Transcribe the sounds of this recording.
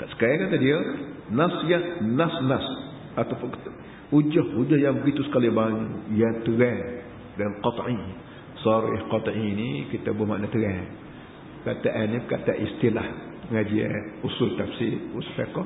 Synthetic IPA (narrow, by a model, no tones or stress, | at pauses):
kaʔsə̥kajakat̪adiənasjanasnas | at̪awpʊn | ud͡ʒɔhud͡ʒɔhjaŋbəɡit̪usə̥kalibaɲujat̪əɣɛŋ | danqɔt̪ˤʕi | sɔɾḭhqɔt̪ˤʔinikit̪abhmaʔnat̪əɣɛ | pəkat̪aʔanːipəkat̪aʔist̪ilah | əŋad͡ʒia̰usʊlt̪afsiuspekɔ